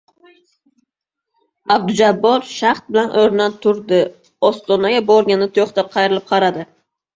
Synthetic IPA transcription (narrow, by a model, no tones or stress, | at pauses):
ab̚d̪ʊd͡ʒabːɒɾʃaχt̪̚bɪlanʔoɾnat̪ʰʊɾd̪ɪ | ɒst̪ɒnaɡʲabɒɾɡʲanɪt̪ʰoχt̪ap̚qʰɑjɾɪlɪp̚qʰɑɾad̪ɪ